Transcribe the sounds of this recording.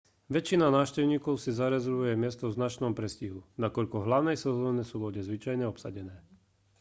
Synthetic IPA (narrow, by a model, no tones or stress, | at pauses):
ʋɛt͡ʃːinanaːʊʃcɛʊɲiːkɔʊsizaɾɛzɛɾʋujɛmɪɛst̪ɔvznat͡ʃnɔmpɾɛsciɦunakɔʎkɔɦlaʊnɛjsɛzɔːɲɛsuːʋɔɟɛzʋit͡ʃajɲɛɔpsa̰ɟɛnɛː